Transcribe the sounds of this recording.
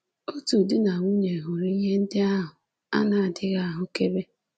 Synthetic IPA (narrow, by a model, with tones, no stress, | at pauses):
o˦tu˨dɪ˦na˨ŋʷu˦ɲe˨ɦʊ˨ɾi˦ɦe˦n̩˦dɪ˦a˦ɦʊ˨ | a̰˦na˨a˨dɪ˦ɣa˦a˨ɦʊ˨ke˦be˦